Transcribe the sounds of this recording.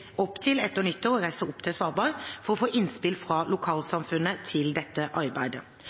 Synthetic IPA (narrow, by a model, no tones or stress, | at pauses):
ɔpːt̪ʰɪlɛt̪ːəɾnʏt̪ːəʁɔɾæɪsəɔpːt̪ʰɪsʋɑːɾbɑːɾfɔʁɔfoːʔɪnspɪlfʁɑːlʊkʰɑːlsɑmfʉnːət̪ʰɪld̪ɛt̪ːəʔɑɾbæɪd̪ə